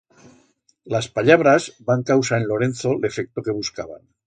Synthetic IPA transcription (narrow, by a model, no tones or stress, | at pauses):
laspaʎaβ̞ɾazbaŋkawsaenlo̞ɾe̞nθo̞le̞fek̚t̪oke̞β̞uska̰βa̰n